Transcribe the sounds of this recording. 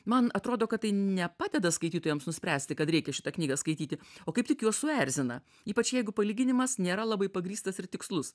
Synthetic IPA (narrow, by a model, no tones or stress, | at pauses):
mɐnɐt̪ɾoːd̪oːkɐt̚t̪ɐɪnʲɛpɑːd̪ʲɛd̪ɐskɐɪt̪ʲiːt̪oːjɛmsnʊsʲpʲɾʲæːsʲt̪ʲɪkɐt̪ɾʲɛɪkʲɛʃʲɪ̥t̪ɐknʲiːɡɐskɐɪt̪ʲiːt̪ʲɪoːkɐɪptʲɪkjuɔssʊɛɾʲzʲɪnɐ̰ | iːpɐt͡ʃjɛɪɡʊpɐlʲiːɡʲɪnʲɪmɐsnʲeːɾɐlˠɑbɐɪpɐɡɾʲiːst̪ɐsɪrt̪ʲɪkslˠʊs